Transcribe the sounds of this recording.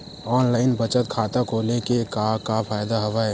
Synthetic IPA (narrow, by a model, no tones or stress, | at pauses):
ɔːnlaːɪnbət͡ʃət̪̚kʰaːt̪akolekekakapʰaːjd̪aɦɐʋaːe